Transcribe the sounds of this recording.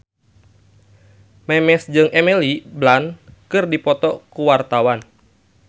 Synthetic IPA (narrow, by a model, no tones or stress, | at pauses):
mɛmɛsd͡ʒɨŋʔɛmɛliblankɨrdipɔt̪ɔkuwart̪awan